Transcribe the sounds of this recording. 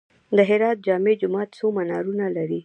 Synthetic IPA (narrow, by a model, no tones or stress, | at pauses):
d̪əɦɪɾɑt̪̚d͡ʒɑmed͡ʒʊmɑt̪somanɑɾunalaɾi